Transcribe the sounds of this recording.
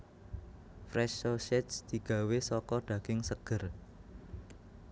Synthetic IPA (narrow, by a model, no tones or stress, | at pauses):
fɾɛʃoʃɛsd̪̥i̤ɡ̥ä̤wesɔkɔɖ̪̥ä̤ɡ̥ɪŋsəɡ̥ər